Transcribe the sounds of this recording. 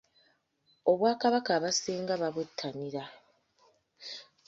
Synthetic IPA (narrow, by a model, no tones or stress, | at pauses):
o̞βwaːkaβakaːβasiːŋɡaβaβutʰːaniɾa